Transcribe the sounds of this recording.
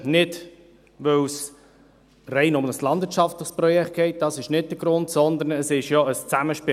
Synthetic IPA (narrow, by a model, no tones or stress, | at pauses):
nɪd | vœws | rɛɪnʊmnəslɑnd̥vɪət͡ʃʃɑftlɪχsprɔjɛkʰt̚ɡ̥ɛɪt̚d̥ɑsɪʃnɪt̚d̥əɡ̥ɾʊntsɔnd̪əɾnəsɪʃjɔəst͡sæməʃpɪ